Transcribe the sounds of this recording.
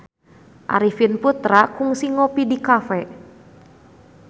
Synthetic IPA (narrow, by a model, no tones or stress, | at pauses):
ʔa̰ɾifinput̪ɾakuŋsiŋopidikafɛ